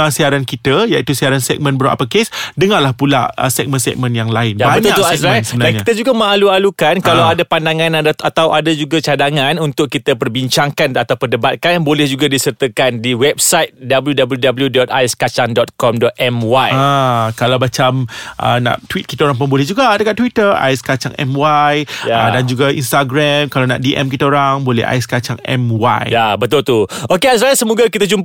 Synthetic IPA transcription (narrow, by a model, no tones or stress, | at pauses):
asiaɾankit̪əjaʔit̪usiaɾansɛ̰k̚mə̃nbəɾa̰ʔa̰pəkesdəŋalahpula̰ʔə̰sɛk̚mə̃nsɛ̰k̚mə̃njaŋlaɪnjabaɲt̪uakt̪uasasəbənadanɲait̪əd͡ʒuɡaməaalualukankalawadapandaŋãnadaat̪awʔadad͡ʒuɡat͡ʃadaŋãnunt̪ʊkːit̪əpərbiɲt͡ʃaŋkanat̪awpədəbat̪̚kanbolɛhd͡ʒuɡadisərt̪əkandiwɛp̚sajt̪̚dabəljudabəljudabəljudɔt̪̚ajskat͡ʃaŋdɔt̪̚kɔmdɔt̪̚ɛmwajakalawbat͡ʃamʔə̰nã̰ʔt̪wit̪̚ki̥t̪aoɾãŋp̬ənbolɛhd͡ʒuɡadəkaʔt̪wit̪əra̰jskat͡ʃa̰ŋɛ̰mwajjaadand͡ʒuɡaḭnst̪aɡɾamkalawna̰ʔdiʔɛ̰mkit̪aoɾaŋbolɛ̰ha̰iskat͡ʃaŋɛ̰mwa̰jjabət̪ʊlt̪uokeas̬asəmoɡakit̪at͡ʃump